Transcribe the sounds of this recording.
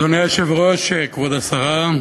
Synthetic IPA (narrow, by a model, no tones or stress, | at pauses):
oneaʃevʁoʃekvod̪asaʁa